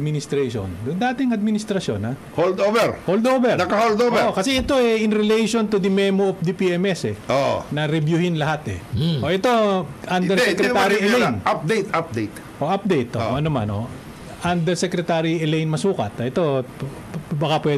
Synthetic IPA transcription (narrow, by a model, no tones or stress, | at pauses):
d̪̚mɪnɪst̪ɾɛʃo̰nd̪ʊnd̪aːt̪ɪŋɐd̪̚mɪnɪst̪ɾɐsjo̰na | hold̪ovɛɹhold̪oːvɛɾnɐkɐhold̪ovɛkɐsɛʔɛt̪o̞ɛɪnɾɛlejʃont̪ʊd̪ɪmɛmoʔof̚d̪ɪpiɛmɛsɛʔo̰nɐɾɪbjuhɪnlɐɦat̪ɛ̰ʔoʔɛt̪o̞ʔand̪ɛɾsɛkɾɛt̪aaɾiɛlejnap̚d̪ejt̪ap̚d̪ejt̪ | ʔoʔap̚d̪ejt̪ʔoʔɐnoma̰nʔo̰ | ʔand̪ɛɾsɛkɾɛt̪aːɾiɛlejnmɐsuːkɐt̪ʔɛt̪o̞ | bɐkapwɛ